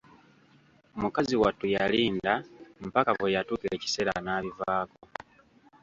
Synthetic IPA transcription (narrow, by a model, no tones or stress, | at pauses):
omukaziwatːujaliːndam̩pakavejatuːkile̞ci̥se̞ɾa̰naːβivaːko